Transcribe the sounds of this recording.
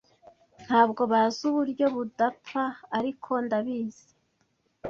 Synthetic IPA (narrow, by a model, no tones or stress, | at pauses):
n̥haːbɡo̞βazuβuɾɟo̞βudapaːɾikʰo̞ndaβiːze̥